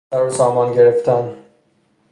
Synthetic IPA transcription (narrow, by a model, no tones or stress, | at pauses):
æɾosɒːmɒːnɡe̞ɾeft̪ʰæn